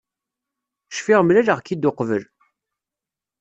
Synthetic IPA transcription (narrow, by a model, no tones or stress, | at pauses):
ʃfiʁmlæləʁkːid̪ʊqvəl